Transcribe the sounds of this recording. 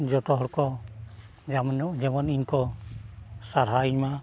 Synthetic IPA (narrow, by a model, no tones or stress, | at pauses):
d͡ʒɔt̪ɔɦɔɾkɔ | md͡ʒɛmaniɲkɔ | saɾ̤ɦaiɲma